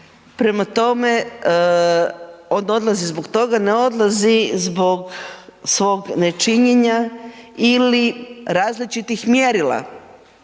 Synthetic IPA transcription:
pɾe̞mat̪o̞me̞ | ono̞d̪lˠazizboɡt̪o̞ɡaneo̞d̪lˠazizbo̞ɡsʋo̞ɡne̞t͡ʃiɲeɲa | iliɾaːzlit͡ʃit̪ixmjeɾilˠa̰

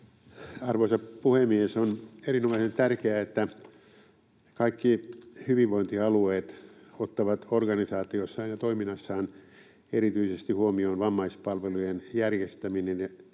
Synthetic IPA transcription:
ɑrʋoisɑpuhemiesonerinomɑisent̪ærkeæet̪ːæ | kɑikːihyʋiʋʋoint̪iɑlueːt̪ot̪ːɑʋɑt̪orɡɑnisɑːt̪iosːɑinɑt̪oiminːɑsːɑːn | eɾit̪yisest̪ihuomioːnʋɑmːɑispɑlʋelujenjærjest̪æminene

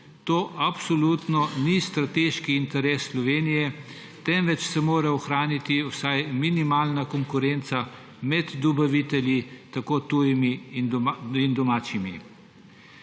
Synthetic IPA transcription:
t̪oːʔapsɔlut̪nɔnist̪ɾat̪eʃkiːnt̪ɛɾɛːsːlɔʋeːnijɛ | t̪ɛmʋɛt͡ʃsɛmoːɾɛɔxɾaːnit̪iwsajminimaːlnakɔŋkʊɾent̪sa | mɛd̪d̪ɔbaʋit̪ɛljit̪akoːt̪ujiminind̪ɔmaːt͡ʃimḭ

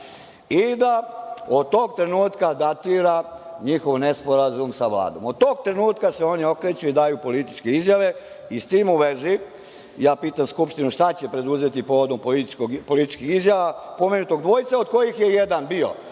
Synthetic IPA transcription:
id̪aod̪̚t̪oːɡ̚t̪ɾe̞nuːt̪kad̪at̪iːɾaɲixo̞ʋnespo̞ɾazumsaʋla̰ːd̪o̞̰mod̪̚t̪o̞ːɡ̚t̪ɾe̞nuːt̪kaseo̞nio̞kɾe̞t͡ɕuid̪ajupo̞lit̪i̥t͡ʃkeizjaʋe̞ | ist̪iːmuʋezi | jaːpiːt̪amskupʃt̪inuʃt̪at͡ɕepɾe̞d̪uze̞t̪ipo̞ːʋo̞d̪ompoiopo̞lit̪i̥t͡ʃkixizjaʋapo̞menut̪oɡ̚d̪ʋo̞jit̪saod̪̚ko̞jixje̞jed̪anbio̰

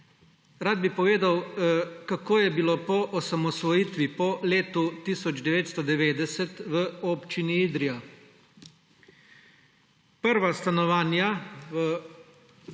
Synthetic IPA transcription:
ɾaːd̪bipɔʋeːd̪awkakoːjɛbiloːpɔʔɔsamɔsʋɔjiːt̪ʋipɔleːt̪ut̪isɔd͡ʒd̪ɛʋeːt̪st̪ɔd̪ɛʋeːd̪ɛsɛt̪ʋəoːpt͡ʃiniid̪ɾija | pəɾʋast̪anɔʋaːnjaʋə

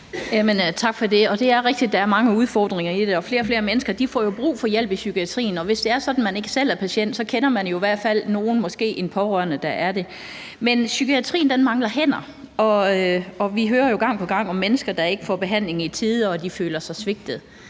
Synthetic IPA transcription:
jæmənt͡sʰɑ̈ɡ̥fɒ̽de̝ɒ̽d̥e̝æɐʁɛɡ̥̚d̥id̥ːɑ̈æɐmɑ̈ŋəuð̞ˠfɒ̰ːd̥ʁeŋɐid̥eɒ̽fle̝ːɐfle̝ːɐmenəsɡ̥ɐd̥ifɒ̰jo̝b̥ʁṵːfɒ̽jel̰b̥isykʰiæt͡sʰʁḭːn̩ɒ̽ʋe̝sd̥e̝æɐsɒ̽d̥n̩mæne̝ɡ̥əsel̰æɐpʰæɕen̰d̥sɒ̽kʰenɐmænjo̝iʋæɐ̰d̥fæl̰no̝ːn̩mɒ̽sɡ̥e̝̰ːʔe̝npʰɒ̽ʁɶɐ̰nəd̥ɑʔæɐd̥e̝ | mensykʰiæt͡sʰʁḭːnd̥enmɑ̈ŋlɐɦen̰ɐ | ɒ̽øɒ̽ʋiɦøːɐjo̝ɡ̥ɑ̈ŋ̰pʰɒ̽ɡ̥ɑ̈ŋ̰ɒ̽mːenəsɡ̥ɐd̥ɑ̈e̝ɡ̥əfɒ̰b̥e̝ɦæn̰le̝ŋit͡sʰiðˠɒd̥ifø̰ːlɐsɑ̈ɪsʋe̝ɡ̥̚d̥ð̩ˠ

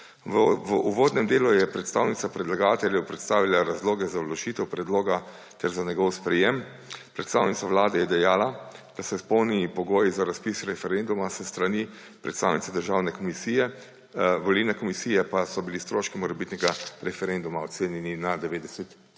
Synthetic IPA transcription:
ʋuʋoːd̪nɛmd̪eːlujɛpɾɛt̪st̪a̰wnit̪apɾɛd̪laɡaːt̪ɛljɛwpɾɛt̪st̪aːʋilaɾazloːɡɛzalɔʃiːt̪ɛwpɾɛd̪loːɡa | t̪ɛɾzaɲɛɡɔwspɾɛjem | pɾɛt̪st̪a̰ːwnit̪saʋlaːd̪ɛjɛd̪ɛjaːlad̪̥asɛspɔwnipɔɡoːjizaɾaspisɾɛfɛɾend̪umasəst̪ɾani | pɾʔɛt̪st̪a̰wnit̪sad̪əɾʒaːwnɛkɔmisiːjɛ | ʋɔlilnɛkɔmisiːjɛpasɔbilist̪ɾoːʃkimɔɾɛbit̪nɛɡaɾɛfɛɾend̪umaɔt̪seːnjɛninad̪ɛʋeːd̪ɛsɛt̪

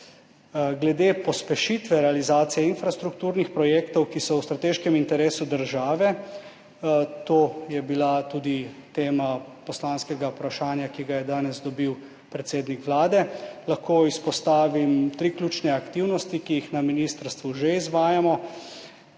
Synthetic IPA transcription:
ɡlɛd̪epɔspɛʃit̪ʋɛɾɛalizaːt̪sijɛinfɾast̪ɾukt̪uːɾnixpɾɔjeːkt̪ɔwkisɔwst̪ɾat̪eːʃkɛmint̪ɛɾeːsud̪əɾʒaːʋɛ | t̪oːjɛbilat̪uːd̪it̪eːmapɔslanskɛɡaupɾaʃaːnjakiɡajɛd̪aːnɛzd̪ɔbiw | pɾɛt̪seːd̪nikʋlaːd̪ɛlaxkoːispɔst̪aːʋimt̪ɾiklʲuːt͡ʃnɛakt̪iwnɔst̪ikijixnaminist̪əɾst̪ʋuʒeizʋaːjamɔ

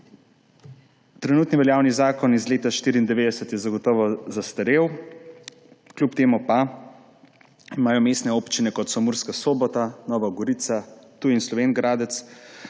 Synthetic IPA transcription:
t̪ɾɛnuːt̪niʋɛljaːwnizaːkɔnizleːt̪aʃt̪iːɾiːnd̪ɛʋeːd̪ɛsət̪jɛzaɡɔt̪ɔːʋazast̪ɐɾeːw | klʲjupt̪eːmupa | imaːjɔmeːst̪nɛoːpt͡ʃinɛkɔt̪sɔmuːɾskasoːbɔt̪anɔːʋaɡɔɾiːt̪sat̪uinslɔʋeːnɡɾaːd̪ɛt̪s

